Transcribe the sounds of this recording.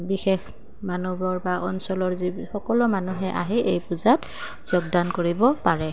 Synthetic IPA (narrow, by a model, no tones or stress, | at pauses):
bixex | manɔbɔɹbaʔɔ̰nsɔlɔɹzixɔkɔlɔmanuɦɛʔa̰ɦiʔejpuzat | z̥ɔɡ̚dankoɹibɔpaɹɛ